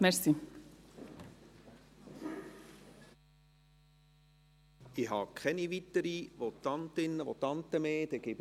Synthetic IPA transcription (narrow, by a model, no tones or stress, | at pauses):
mɛɾsi | ɪɦɑ̰ːkʰɛniʋitəɾiʋot̪ɑnt̪ɪnːəʋot̪ɑnt̪əmeːd̥̪ɛɡɪb